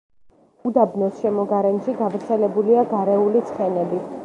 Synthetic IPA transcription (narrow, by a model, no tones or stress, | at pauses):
ud̪abnɔsʃɛmɔɡaɾɛnʃiɡavɾt̪sʰɛlɛbuliaɡaɾɛulit̪sʰχɛnɛbi